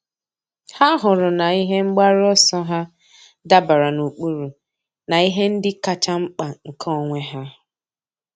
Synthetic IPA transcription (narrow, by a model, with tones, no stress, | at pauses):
ha˦ɦʊ˨ɾʊ˨na˨i˦ɦe˦ŋ͡m̩˦ɡ͡ba˦ɾɔ˦sɔ˦ɦa˦ | da˦ba˨ɾa˨nu˨k͡pu˦ɾu˨ | na˨i˦ɦe˦n̩˦dɪ˦ka˦t͡ʃa˦ŋ͡m̩˦k͡pa˨ŋ̩˨kʰɔ˦˨ŋʷe˦ɦa˦